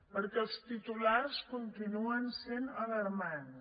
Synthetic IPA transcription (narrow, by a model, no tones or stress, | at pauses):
pəɾkɛlˠst̪it̪ulaɾskunt̪inuənsenələɾman